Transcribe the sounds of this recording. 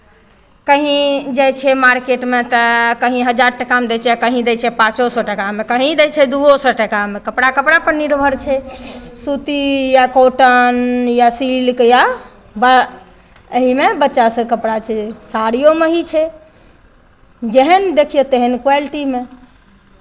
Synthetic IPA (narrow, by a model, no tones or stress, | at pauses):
kəɦĩd͡ʒɛt͡ʃʰɛmaɾkeʈmet̪əkəɦĩɦəd͡ʒaɾʈəkamd̪ɛt͡ʃʰɛakəɦĩd̪ɛt͡ʃʰɛpãt͡ʃosɔʈəkamekəɦĩd̪ɛt͡ʃʰɛd̪uosɔʈəkamekəpɽakəpɽapəɾniɾbʱəɾt͡ʃʰɛsut̪ijakoʈənjasilkja | ba | əɦimebətːʃasə̃kəpɽat͡ʃʰɛsaɾijomeɦit͡ʃʰɛ | d͡ʒeɦənd̪ekʰijet̪eɦənkwalʈime